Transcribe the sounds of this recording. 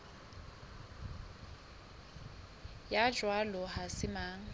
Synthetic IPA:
jad͡ʒwalɔɦasɪmaːŋ̩

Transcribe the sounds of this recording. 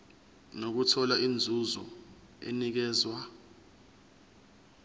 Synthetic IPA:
nok̬utʰɔlaind͡zʱuzɔ | ḛnik̬ɛːzwa

